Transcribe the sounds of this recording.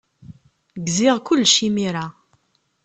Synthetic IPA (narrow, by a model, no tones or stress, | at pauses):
ɡzɪʁkʊlːʃimiɾa